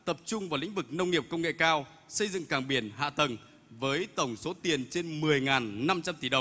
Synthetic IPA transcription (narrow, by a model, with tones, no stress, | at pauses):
t̪ə˨˩p̚t͡ɕʊ˧ŋ͡mvaː˨˩lḭ̈˧˥ŋ̟vɨ˨˩k̚nə˧wŋ͡mŋi˨˩əp̚kə˧wŋ͡mŋḛ˧˨kaː˧w | sə˧jzɨ̰˧˨ŋkaː˨˩ŋɓi˨˧˩ənɦa̰ː˧˨t̪ə˨˩n | vəː˨˦jt̪ə˧˩wŋ͡mso˨˦t̪i˨˩ənt͡ɕe˧nmɨ˨˩əjŋaː˨˩nːa˧mt͡ɕa˧mt̪i˧˩ɗə˨˩wŋ͡m